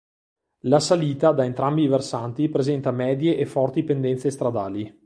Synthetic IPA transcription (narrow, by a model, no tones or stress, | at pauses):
lasaliːt̪ad̪aent̪ɾambiversant̪ipɾezɛnt̪amɛːd̪jeʔːfɔrt̪ipend̪ɛnt̪sest̪ɾad̪aːli